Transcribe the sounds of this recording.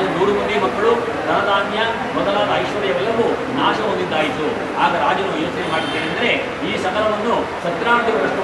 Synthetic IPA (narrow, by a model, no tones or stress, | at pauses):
nuːɽumud̪ebɐkːɐɭu | sɐɾɐd̪aːnjɐ | mɔd̪ɐlaːd̪ɐːjʃʋɐɾɛjɐʋɛlːɐʋu | naːʃɐɦond̪id̪ːaːjisu | aːɡɐɾaːd͡ʒɐnujoːt͡ʃɐnemaːɽid̪ːeːɐnd̪ɐɾe̞ | iːsɐŋɡɐlɐʋɐnːu | ʃɐt̪ɾaːɳd̪iɡɐɾɐsʈu